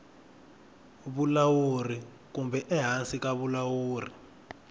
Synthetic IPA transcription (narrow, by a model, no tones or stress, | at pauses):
βulawuri | k̬umbʱɛʔɛɦansikaβulawuːrḭ